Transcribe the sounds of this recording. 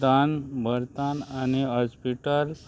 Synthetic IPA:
d̪anbəɾt̪anañiɦɔspiʈəl

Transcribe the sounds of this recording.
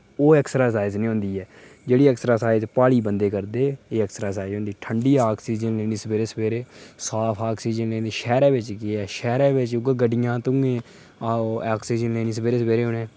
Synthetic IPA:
oːɛːksəɾaːsaːɪznĩːɦõːnd̪iːɛː | d͡ʒeːɽiːəksəɾaːsaːɪzpaːɽiːbənd̪eːkəɾd̪eːeːəksɾaːsaːɪzɦõːnd̪iːʈʰəɳɖiːaːkʰsiːd͡ʒənleːniːsəbeːɾeːsəbeːɾeːsaːpʰaːksiːd͡ʒənleːnd̪eːʃɛːɾɛːʋɪt͡ʃkɪɛːʃɛːɾɛːʋɪt͡ʃʊkɡəɖɪjãːt̪ʊ̃ŋẽː | aːksiːd͡ʒənleːniːs̬əbeːɾeːsəbeːɾeːɦʊnẽː

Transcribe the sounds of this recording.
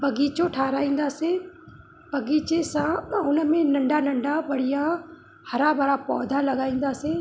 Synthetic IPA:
bɐɡiːt͡ʃoʈʰaːɾaːĩːn̆d̪aːsẽ | bɐɡiːt͡ʃesãʊnəmẽnɐ̃ɳɖaːnɐ̃ɳɖabɐɽijã | hɐɾabʱɐɽapɔːd̪ʱãlɐɡaːĩːn̆d̪aːsẽ

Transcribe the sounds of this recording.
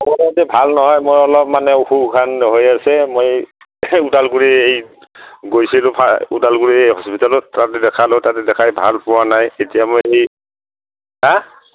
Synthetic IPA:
ɔmɔatɛbʱalnɔɦɔjmojɔlɔp̚manɛuxukʰanɦojasɛmoj | utalkuɹiej | ɡojsilʊ̃pʰaṵtalkuɹiejɦɔspitalɔtatɛdɛkʰalʊtatɛdɛkʰajbʱa̰lpʊwanajetijamojej | ɦa

